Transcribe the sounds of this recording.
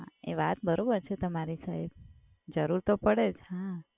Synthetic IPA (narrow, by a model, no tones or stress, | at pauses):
ɦaeʋat̪̚bəɾobəɾt͡ʃʰet̪əmaɾisaɦeb̚ | d͡ʒəɾuɾt̪opəɽed͡ʒhã